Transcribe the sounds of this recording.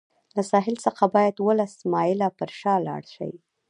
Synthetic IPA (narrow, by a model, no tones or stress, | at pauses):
lasɑɦɪlsəxabɑjad̪wəlasmɑjɪlapəɾʃɑlɑ̰ɽʃa̰wi